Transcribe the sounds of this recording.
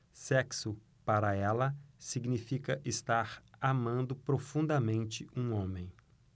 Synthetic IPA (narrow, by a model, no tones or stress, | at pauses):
sɛksʊ | paɾɐɛlɐsiɡnifikɐʔɪst̪aɾamɐ̃nd̪ʊpɾofũnd̪ɐmẽnt͡ʃɪũõmẽj̃